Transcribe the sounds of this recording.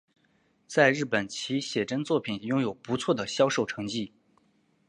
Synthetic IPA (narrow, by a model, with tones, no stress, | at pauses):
t͡sa˥˧ɪɻɻ̩˥˩pə˨˩nt͡ɕʰi˧˥ɕjɛ˨˩ʈ͡ʂə˥nt͡swɔ˥˩pʰi˨˩njʊ˥ŋjo˨˩ʊpu˧˥t͡sʰwɔ˥˩d̪ə˩ɕjɑ˥ʊʂo˥˩ʊʈ͡ʂʰɤ˧˥ŋt͡ɕi˥˩